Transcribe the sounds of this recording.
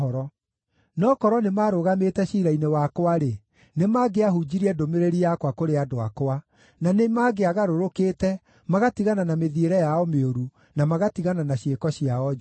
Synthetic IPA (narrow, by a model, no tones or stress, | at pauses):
ɔɾɔ | nɔːkɔɾɔnemaːɾoɣametɛɕiːɾainewakwaɾe | nemaɡeaɦud͡ʑiɾiɛdomeɾeɾiakwakoɾeadoa̰kwa | nanemaːɡeaɣaɾoɾokeːtɛ | maɣatiɣananameðieɾɛjaɔmeoɾu | namaɣatiɣananaɕiekɔɕiaɔ